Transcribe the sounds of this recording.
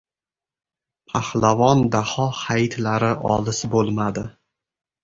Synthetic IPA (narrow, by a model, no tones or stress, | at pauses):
pʰahlavɒnd̪ahɒhajt̪laɾɪʔɒ̰lɪsbolˠmad̪ɪ